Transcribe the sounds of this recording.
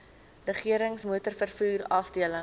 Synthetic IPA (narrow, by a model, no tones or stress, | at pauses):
rəχiəɾəŋsmuətərfərfuːrɐfdiələ